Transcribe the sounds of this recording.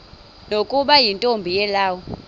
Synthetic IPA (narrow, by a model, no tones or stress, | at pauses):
nokʼuɓajintʼombʱijɛlaːwɔ